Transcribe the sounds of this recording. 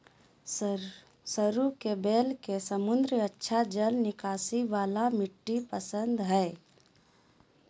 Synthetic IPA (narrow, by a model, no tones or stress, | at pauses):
səɾukebeːlkesəmʊ̃nd̪ɾiətːʃʰad͡ʒəlnɪkaːsiʋaːlamɪʈːipəsənd̪ɦɛː